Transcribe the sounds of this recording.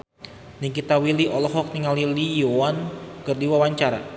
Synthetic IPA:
niŋkit̪awiliʔɔlɔɦɔk̚niŋalilijoankɨrdiwawaɲt͡ʃaɾa̰

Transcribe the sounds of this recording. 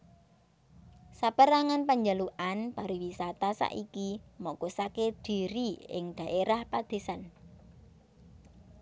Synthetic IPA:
sapəɾaŋanpaɲd͡ʒaluʔanb̥aɾiwisat̪asa̰ʔikimɔkosaked̪̥i̤ɾiɪ̰ŋd̪̥a̤ʔeɾahpad̪̥e̤san

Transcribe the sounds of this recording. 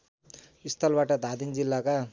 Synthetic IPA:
ist̪ʰʌlbaʈʌd̪ʱad̪ind͡zilːaka

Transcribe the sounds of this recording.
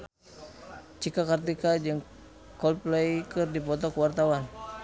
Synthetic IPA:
t͡ʃikakart̪ikad͡ʒɨŋ | kɔlplejkɨrdipɔt̪ɔkəwart̪awan

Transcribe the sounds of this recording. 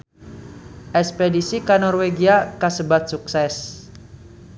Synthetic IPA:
ʔɛspedisikanɔrweɡiakasəbat̪̚suksɛs

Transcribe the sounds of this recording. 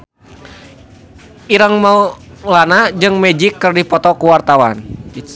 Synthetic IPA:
ʔiɾaŋmaulanad͡ʒɨŋmɛd͡ʒikːərdipɔt̪ɔkuwart̪awan

